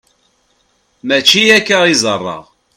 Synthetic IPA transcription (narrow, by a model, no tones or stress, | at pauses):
mæt͡ʃːijækːaʁizˤərˤːɑ̰ʁ